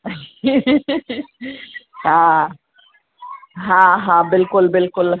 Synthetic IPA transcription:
hã | ɦãɦãbɪlkʊlbɪlkʊl

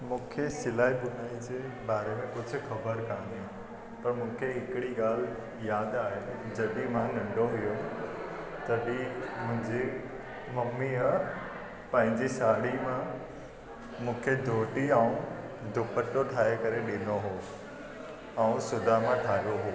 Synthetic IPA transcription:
mũːkʰesɪlaːɦiɓʊnaːid͡ʑeːɓaːɾemẽkʊd͡ʑʱʊ̆xɐbəɾkãːd̪ijã | pɐɾmũːkʰeɦɪkɪɽiɠaːl̤ | jaːd̪aːɦɪnd͡ʑɐɗimãnɐ̃ɳɖʱoɦijon | t̪ɐɗimʊ̃ɦɪ̃ɲd͡ʑi | mɐmːiə | pɐ̃ɦɪ̃ɲd͡ʑisaːɽimã | mũːkʰed̪ʱoːʈiəũ | d̪ʱʊpəʈːoʈʰaːɦekɐɾeɗɪnoɦoː | ɛ̃ũsʊd̪ʱaɦmãʈʰaːijoɦoː

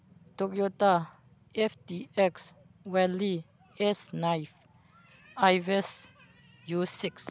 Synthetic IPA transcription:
t̪ok̚ʼjot̪a | eft̪ieks | wɛli | esnajf | ajves | jusiks

